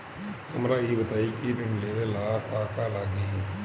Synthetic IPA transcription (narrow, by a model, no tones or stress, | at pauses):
hɐmɾajibɐt̪aːikiɾɪ̃ɳleːʋelaːkaːkalaːɡiɦɛ̃